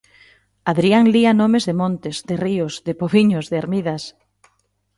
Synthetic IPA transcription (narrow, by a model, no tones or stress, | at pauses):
aðɾiaŋlianomezðemõnt̪ɪzðɪriʊsðɪpoβiɲʊzðɪaɾmiðas